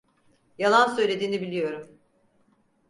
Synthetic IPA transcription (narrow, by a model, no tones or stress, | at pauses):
jalˠansø̞jlʲe̞d̪iːnibilʲijo̞ɾum